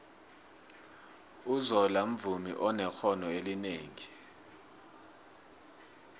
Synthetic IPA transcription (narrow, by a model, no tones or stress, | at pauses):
uzɔlam̩vumḭʔɔnɛxʰɔnɔelineːŋi